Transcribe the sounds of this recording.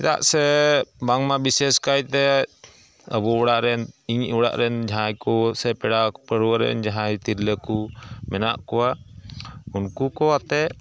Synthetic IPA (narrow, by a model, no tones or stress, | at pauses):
t̪a̰ʔsɛbaŋmabisɛskajt̪ɛ | əbɔɔɽaʔɾɛniɲɔɽa̰ʔɾɛnd͡ʒãjkɔsɛpɛɽapəɽwəɾɛ̰nd͡ʒaɦãjt̪iɾləkumɛna̰ʔkɔwa | unkukɔat̪ɛ